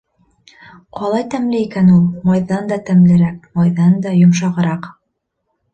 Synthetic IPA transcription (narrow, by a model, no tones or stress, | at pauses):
qɒlˠɑjt̪æmlɘikænulˠmɑjðɑnd̪ɑt̪æmlɘ̆ɾæk̚mɑjðɑnd̪ɑjŏmʃ̬ɑʁɤ̆ɾɑq